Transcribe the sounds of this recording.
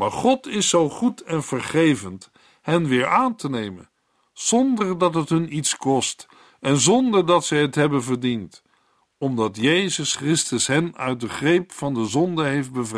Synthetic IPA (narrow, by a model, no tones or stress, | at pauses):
maːɹχɔtɪsowχutɛnv̥əɹχejvənt | ɦɛnʋɪːɹʔaːntənejmə̰n | z̥ɔndəɹdɑtɦətɦɵnitskɔst | ɛnzɔndəɹdɑtsɛjɦətɦɛbənvəɹdint | ɔmdɑtjejzəskrɪstəsɦɛnœ̰ɥt̚dəχrejpfɑndəzɔndəɦejfd̚bəvr